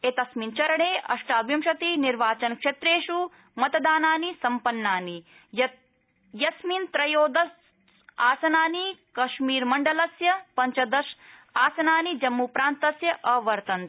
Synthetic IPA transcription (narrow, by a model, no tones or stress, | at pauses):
et̪ɐsmint͡ʃɐɾɐɳeːʔɐ̰ʂʈaːbjɐmʃɐt̪iniɾʋaːt͡ʃɐnkʂet̪ɾeːʂu | mɐt̪ɐd̪aːnaːnisɐmpɐnːaːni | jɐ | jɐsmint̪ɾɐjoːd̪ɐs | aːsɐnaːnikɐʃmiːɾmɐɳɖɐlɐsjɐpɐɲt͡ʃɐd̪ɐʃaːsɐnaːnid͡ʒɐmːupɾaːnt̪ɐsjɐʔɐʋɐɾt̪ɐnt̪